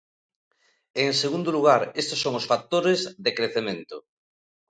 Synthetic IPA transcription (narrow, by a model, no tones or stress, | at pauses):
eŋseɣund̪oluɣ̞aɾest̪osoŋosfak̚t̪oɾezðekɾeθemẽnt̪o